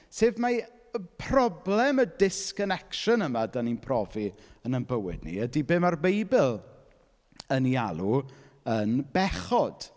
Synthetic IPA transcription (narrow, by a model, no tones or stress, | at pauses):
seːvma | əpʰrɔblɛmədɪskənɛkʃənəmadaninpʰrɔviənənbəwɪ̰dnḭədibɪːmarbejbɪlˠ | ənialˠu | ənbɛχɔd̥